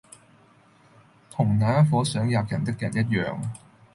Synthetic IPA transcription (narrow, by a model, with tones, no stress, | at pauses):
t̪ʰʊ˨˩ŋnaː˨˥ɐ˥fɔː˨˥sœː˨˥ŋjaː˨p̚jɐ˨˩nt̪ɪ˥k̚jɐ˨˩njɐ˥t̬̚jœ̰ː˨ŋ